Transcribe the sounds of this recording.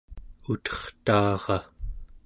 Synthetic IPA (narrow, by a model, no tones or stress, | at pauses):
ut̪ʌ̥χt̪ɑːʁɑ